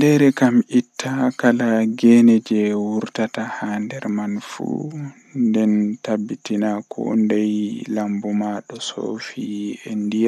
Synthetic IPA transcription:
ndɛɾɛkamitːakalaɡɛnɛd͡ʒɛwuɾtatahaːndɛɾmanfṵ | ndɛntabːitinakʰɔ̰ndajlambɔmaɗɔso̰fiɛndija

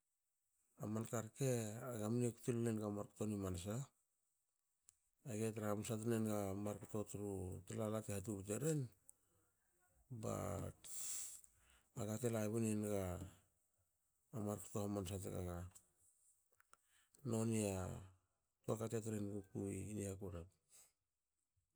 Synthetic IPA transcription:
a̰mankaɾke̞aɡamnikutillenɡamaɾkḁtonimansa | aɡetɾamusat̬unenɡamaɾkato̞tuɾutelalatehat̬uβiteɾen | ba̰ | aɡatelaβunenɡa | maɾku̥to̞hamans̬at̬ḛɡa̰ɡa | no̞nia | tuakatet̬eɾenɡukuiːniakuɾep̚

